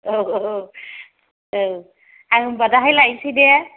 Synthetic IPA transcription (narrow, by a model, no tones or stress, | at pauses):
o | ow | abadaɦajlaisidɛ